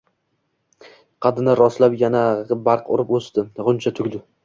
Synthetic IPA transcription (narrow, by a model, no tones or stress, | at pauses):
qʰɑd̪ɪnaɾɒslapjanabɑɾqʊ̰ɾɪpost̪ɪʁʊnt͡ʃʰat̪ʰʊɡʲd̪ɪ